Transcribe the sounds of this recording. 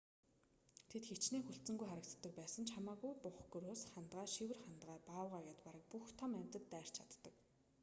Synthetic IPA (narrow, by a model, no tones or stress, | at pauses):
t̪ʰet̪xet͡ɕneːxɵɬt͡sɘ̆ŋɡujχaɾə̆k̚t̪ːə̆k̚pæːsə̆nt͡ɕʰamaːɣujpʊχɡɵɾoːsχant̪ʁæːʃiwɘ̆rχant̪ʁæːpaːwʁaːɣaːt̪paɾə̆k̚puxt̪ʰamæmʲt̪ə̆t̪ːæːr̥t͡ɕʰat̪ːə̆k